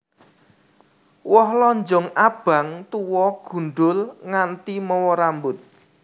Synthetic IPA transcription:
wɔhlɔɲd͡ʒɔŋab̥a̤ŋt̪uwɔɡ̥ṳnɖʊlŋant̪imɔwɔɾambʊt̪̚

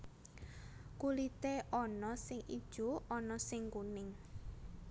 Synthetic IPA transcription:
kulit̪eʔɔnɔsɪŋid̥ʒ̥oɔnɔsɪŋkunɪŋ

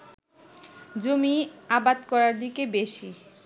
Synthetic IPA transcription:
d͡ʑomiabad̪kɔɾaɾd̪ikebeʃi

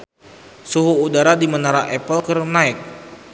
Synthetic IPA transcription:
suɦuːdaɾadimənaɾaʔɛpəlkərnaɪk̚

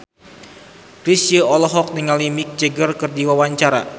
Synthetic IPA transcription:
kɾisəɔlɔɦɔk̚diŋalimik̚d͡ʒəɡərkɨrdiwawaɲt͡ʃaɾa̰

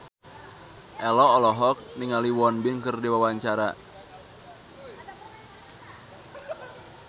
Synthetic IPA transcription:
ʔɛlɔːlɔɦɔk̚niŋaliwɔnbɪnkɨrdiwawaɲt͡ʃaɾa̰

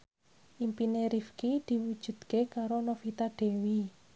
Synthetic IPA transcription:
ʔimpineɾifkid̪̥i̤wud̥ʒ̥ṳd̪̥kekaɾonofit̪aɖ̪̥e̤wi

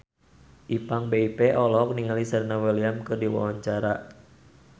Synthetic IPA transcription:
ʔipaŋbeipeʔɔlɔk̚niŋalisərnawɛliamkɨrdiwa̰waɲt͡ʃaɾa

